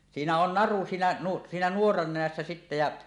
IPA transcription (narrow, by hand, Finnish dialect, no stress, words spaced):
siːnæ on nɑru siːnæ nu siːnæ nuorɑn nenæsːæ sitːæ jɑ